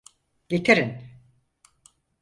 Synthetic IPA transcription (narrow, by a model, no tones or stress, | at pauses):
ɟet̪ʰeɾin